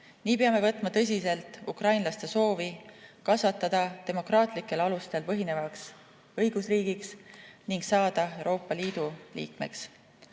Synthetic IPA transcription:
niːpeɑme̞vɤt̪ːˑmɑt̪ɤ̞s̬ʲise̞lt̪ːˑukrɑjnlɑst̪e̞so̞ːvikɑsvɑt̪ːˑɑd̪̥ɑt̪e̞mo̞krɑːt̪ˑlikːˑe̞lɑlust̪e̞lpɤɦine̞vɑks | ɤjɡ̥usriːɡ̥iksniŋɡ̥sɑːd̪̥ɑe̞wɾo̞ːpːɑliːd̪̥ulḭːkme̞̰ks

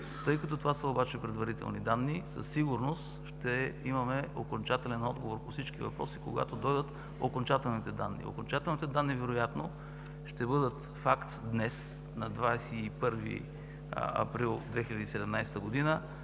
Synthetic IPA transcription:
t̪ɤjkɐt̪ɔt̪ovasəobat͡ʃɛpɾɛd̪vɐɾit̪ɛ̰lˠnid̪anːisə̰sːiɡuɾnost̪ʃt̪ɛimɐmɛokont͡ʃat̪ɛlɛnɔd̪ɡovoɾpofsit͡ʃkivɐ̰pɾɔsikoɡa̰t̪od̪ɔjd̪ət̪ | okont͡ʃat̪ɛlˠnit̪ɛd̪a̰nːḭo̰kont͡ʃat̪ɛlˠnit̪ɛd̪anːivɛɾojat̪no̰ | ʃt̪ɛbɤd̪ət̪ | fakt̪d̪nɛs | nɐd̪vaɛsɛipɤɾvḭ | ɐ̰pɾilˠd̪vɛxilʲɐd̪iːsɛd̪ɛmnajst̪əɡod̪inə

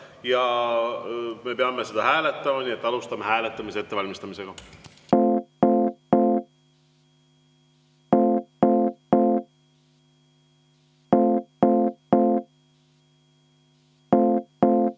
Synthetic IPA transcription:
jɑ | me̞pe̞ɑme̞se̞d̪̥ɑhæːle̞t̪ːˑɑmɑnie̞t̪ːˑɑlust̪ɑmehæːlet̪ːˑɑmiseet̪ːe̞vɑlʲmist̪ɑmise̞ɡ̥ɑ

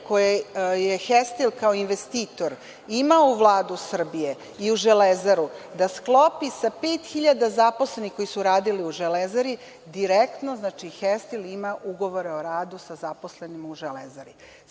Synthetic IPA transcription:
kojejexest̪ilkaoinʋest̪iːt̪o̞ɾ | imauʋlˠaːd̪usr̩bije̞ | iuʒelezaɾud̪asklˠo̞pisapeːt̪xiʎad̪azaposlenixko̞jisuɾaːd̪iliuʒelezaɾi | d̪iɾekt̪noznaːt͡ʃixest̪ilimaʔuɡo̞ʋo̞ɾeoɾaːd̪usazapo̞slenimuʒelezaɾi

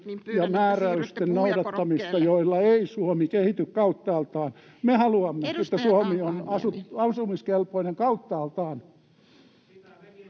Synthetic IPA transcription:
jɑmæːræyst̪ennoudɑt̪ːɑmist̪ɑjoilːɑeisuomikehit̪ykkɑut̪ːɑːlt̪ɑːn | mehɑluɑmːeet̪ːæsuomionɑsut̪ɑsumiskelpoineŋkɑut̪ːɑːlt̪ɑːn

